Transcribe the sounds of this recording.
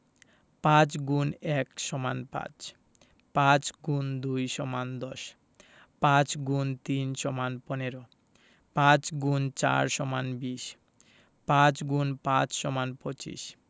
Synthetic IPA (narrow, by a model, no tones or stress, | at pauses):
pãt͡ɕɡunɛkʃɔma̰npã̰t͡ɕ | pãt͡ɕɡund̪ujʃɔmand̪ɔʃ | pãt͡ɕɡunt̪inʃɔmanpɔneɾo | pãt͡ɕɡunt͡ɕa̰ɾʃɔmanbiʃ | pãt͡ɕɡunpãt͡ɕʃɔmanpot͡ɕḭʃ